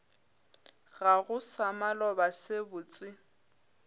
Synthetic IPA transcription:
ɣaɣʊsamalɔbasebʊt͡sʼɪ

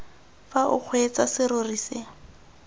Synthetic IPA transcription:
faʔʊk͡xʰwet͡sasɪɾʊrisɪ

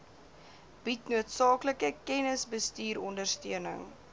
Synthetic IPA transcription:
b̥itnuətsɑːkləkəkɛnəsbəstiːɾɔndərstøənə̰ŋ

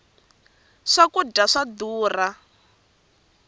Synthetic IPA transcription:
ʂakudaʂad̪uːra

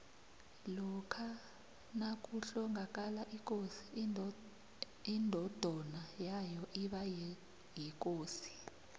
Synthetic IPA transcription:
lɔkʰa | nak̬ʼuɬɔŋak̬ʼalaʔik̬ʼosi̥ | indʱɔd̥ʱɔnajajɔʔiɓajɛ | jɛk̬ʼoːsi̥

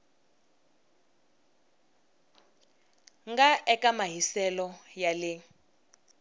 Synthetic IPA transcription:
ŋɡaʔɛkamaɦisɛlɔjalɛ

